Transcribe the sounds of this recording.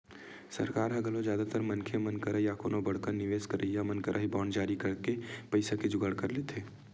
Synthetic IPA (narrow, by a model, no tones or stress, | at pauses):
sɐ̰ɾkaːɾɦɐɡəlozjaːd̪at̪əɾmɐnkʰemɐnkəɾajako̰ːnobɐɽkəɾnɪʋeːskəɾijamɐnkəɾʔaɦibɔːɳɖd͡ʒaːɾikɐɾkepɐɪsaked͡ʒʊɡəɽkɐɾleːt̪ʰeː